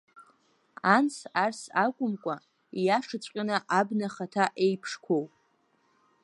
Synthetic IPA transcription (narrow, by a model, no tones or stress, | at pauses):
ansarsakʷʼʊmkʷʼa | ijaʂɨt͡sʷʼqʲʼanaʔabnaχatʰaʔejpʰʂkʷʰo̞wpʼ